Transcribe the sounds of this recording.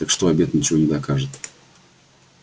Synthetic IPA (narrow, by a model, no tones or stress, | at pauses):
t̪əkʂt̪oɐbʲet̪nʲɪt͡ɕɪvonʲɪd̪ɐkaʐɨt̪